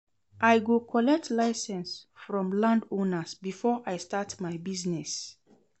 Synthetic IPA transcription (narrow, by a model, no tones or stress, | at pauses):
ʔajɡukʰɔlɛk̚tʰlaɪsɛ̃nsfɹɔ̃mlãndõnəsbifɔʔajstatmajbiznɛs